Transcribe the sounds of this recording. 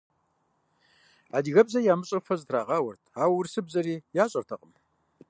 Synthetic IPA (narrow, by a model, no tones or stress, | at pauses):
aːdiɣɐbzɐjaːmɨɕʼɐfɐzɨtʰraːʁɑːwɐrtʰaːwʊrsɨbzɐriːjaːɕʼɐrtʰɐqʼəm